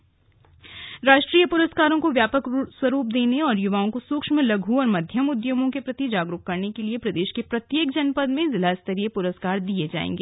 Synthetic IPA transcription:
ɾaːʃʈɾiːjəpʊɾəskaːɾõkoʋjaːpəkswɐɾuːp̚d̪eːneɔːɾjʊʋaːõkosʊkʃmə̃lɐɡʱuɔːɾmɐd̪ʱjəmʊd̪jomõkepɾɐt̪id͡ʒaːɡɾuːɦkɐɾnekeliepɾɐd̪eːʃkepɾɐt̪jeːkd͡ʒɐnpəd̪mẽzɪlast̪ɐɾijepʊɾəskaːɾd̪ied͡ʒa̰ːḛ̃ːŋɡeː

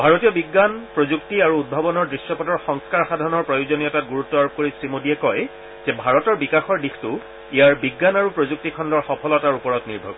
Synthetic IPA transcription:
bʱaɹotijɔbiɡːanpɹozuktiaɹuːd̚bʱabɔnɔɹdɹisjɔpɔdɔɹxɔŋskaɹxadʱaɹnɔɹpɹɔjozonijɔtat̚ɡuɹutːɔaɹb̚koɹisɹimodiɛkɔj | zɛbʱaɹɔtɔɹbikaxɔɹdixtʊ | ijaɹbiɡːanaɹupɹozuk̚tikʰɔndɔɹxɔpʰɔlɔtaɹupɔɹɔtniɹbʱɔɡ

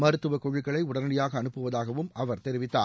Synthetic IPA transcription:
mɐɾɯt̪ːɯʋɐkɔɻɪkːɐɭɐɪʊɽɐnɐɽɪjaːɣɐːɳɯpːɯʋɐðaːɣɐʋɯmʔɐʋɐɾt̪ɛɾɪʋɪt̪ːa̰ː

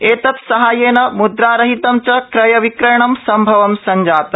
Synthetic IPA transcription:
eːt̪ɐt̪sɐɦaːjeːnɐmud̪ɾaːɾɐɦit̪ɐmt͡ʃɐkɾɐjɐʋikɾɐjɳɐmsɐmbʱɐʋɐmsɐɲd͡ʒaːt̪ɐ

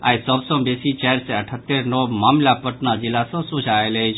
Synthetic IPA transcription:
a̰jsəbsə̃besit͡ʃɛɾsẽəʈʰət̪ːeɾnɔmamlapəʈnad͡ʒilːasə̃sud͡ʒʱaelət͡ʃʰ

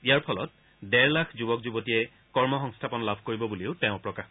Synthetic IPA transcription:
ijaɹpʰɔlɔ̰t̚ | dɛɹlaxʰzubɔk̚zubotijɛ | kɔɹmɔxɔŋstʰapɔnlabʱkoɹibɔbuleʊtɛʊ̃pɹɔkax

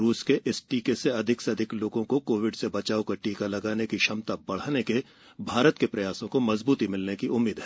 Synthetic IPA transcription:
ɾuːskeʔɪsʈiːkeseɐd̪ʱɪksɐd̪ʱɪkloːɡõkokoːʋɪɖsebɐt͡ʃaːokɐɾʈiːkalɐɡaːnekiʃɐmt̪abɐɽ̤aːneke | bʱaːɾət̪kepɾɐjaːsõkomɐzbuːt̪imɪlnekiʊmːiːd̪ɦɛː

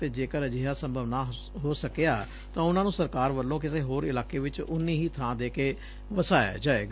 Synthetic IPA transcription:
t̪eːd͡ʒeːkəɾəd͡ʒɪɦaːsə̃mbʱəʋnaː | ɦoːsəkejaː | t̪ãːʊnãːnũːsəɾkaːɾʋəlːõːk̬ɪseːɦoːɾɪlaːkeːʋɪt͡ʃʊnːĩːɦiːt̪ʰãːd̪eːkeː | ʋəsaːja̰ːd͡ʒaːḛːɡ

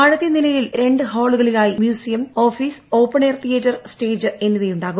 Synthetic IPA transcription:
ɐɻɐt̪ːjɐnilɐjilɾe̞ɳɖɨɦo̞ːɭuɣɐɭilaːjimjuːsijɐmo̞ːfiːso̞ːpːɐɳeːrt̪ʰijɐtːɐrsʈe̞ːd͡ʑɨe̞nːuðɐjuɳɖaːɣu

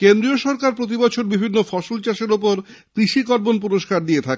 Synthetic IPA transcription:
kend̪ɾioʃɔɾkaɾpɾot̪̬ibɔt͡ɕʰoɾbibʱinːofɔʃolt͡ɕaʃeɾopoɾ | t̪ɾiʃikɔɾbonpuɾoʃkaɾd̪iet̪ʰake

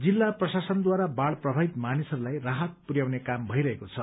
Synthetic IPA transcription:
d͡zilːaprʌsasʌnd̪waɾabaɭprʌbʱabit̪manisʌɾulajraɦʌt̪̚purjawnekambʱʌjɾʌɦekot͡sʰʌ

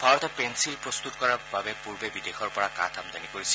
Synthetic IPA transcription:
bʱaɹɔt̪ɔpɛnsilpɹɔst̪utkɔɹababɛpuɹbebidexɔɹpɔɹaka̰tʰamdanikoɹisi

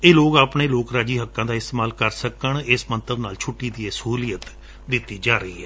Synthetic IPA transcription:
eːloːkaːpɳeːloːkɾaːd͡ʒiːɦəkːãːd̪aːɪst̪eːmaːlkəɾsəkəɳɪsmənt̪əbnaːlt͡ʃʰʊʈːiːd̪iːesəɦuːlijət̪ | d̪ɪt̪ːiːd͡ʒaːɾəiːɛː

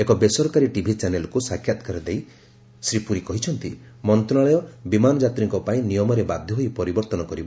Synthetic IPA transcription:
ekɔbesɔɾɔkaɾiʈibʱit͡ʃanelɔkusakʰːjat̪ɔ̥kaɾɔd̪ej | sɾipuɾikɔɦit͡ʃʰɔnt̪i | mɔnt̪ɔaɭɔjɔbimanɔd͡ʒat̪ɾiŋkɔpaĩnijɔmɔɾebad̪ʱjɔɦojpɔɾibɔɾt̪ɔnɔkɔɾibɔ

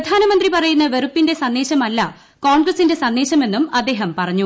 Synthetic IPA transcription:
ɐd̪ʱaːnɐmɐnd̪ripɐrɐjunːɐʋeɾupːinde̞sɐndːe̞ːɕɐmɐlːɐ | ko̞ːɳɡrɐsinde̞sɐnd̪eːɕɐme̞nːumɐd̪ːe̞ːɦɐmpɐrɐɲːu

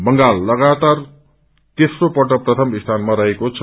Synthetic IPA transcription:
bʌŋɡalːʌɡat̪ar | t̪esropʌʈ̬ʌprʌt̪ʰʌmist̪ʰanmaɾʌɦekot͡sʰʌ

